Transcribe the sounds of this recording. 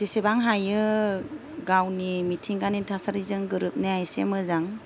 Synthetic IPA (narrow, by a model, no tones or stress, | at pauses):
sesebaŋɦajɯ | ɡawnimitʰiŋɡanitʰasaɾizɯŋɡɯɾɯp̚neajsemɯzaŋ